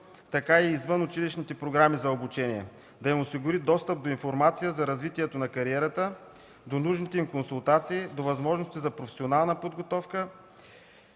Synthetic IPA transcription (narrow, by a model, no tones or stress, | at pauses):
t̪ɐkaiːzvənʊt͡ʃiliʃnit̪ɛpɾoɡɾamizɐobut͡ʃɛniɛ | d̪ɐjimosiɡʊɾid̪ɔst̪əp̚d̪oinfoɾmat̪sijəzɐɾɐzvit̪iɛt̪onɐkɐɾiɛɾət̪ə | d̪onuʒnit̪ɛimkonsulˠt̪at̪siːd̪ovɐzmɔʒnost̪izɐpɾofɛ̥sʲionalˠnəpod̪ɡot̪ɔfkə